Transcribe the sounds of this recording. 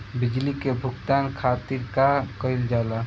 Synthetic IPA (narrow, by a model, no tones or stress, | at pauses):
bid͡ʒlikebʱuɡt̪ankʰat̪iɾkakəɪld͡ʒala